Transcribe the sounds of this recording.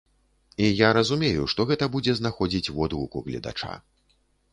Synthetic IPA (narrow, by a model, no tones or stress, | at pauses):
ijaɾɐzumʲejuʂt̪ɔɣɛt̪ɐbud͡zʲɛznaxɔd͡zʲit͡sʲvɔd̪uukuɣlʲɐ̰d̪a̰t͡ʂa̰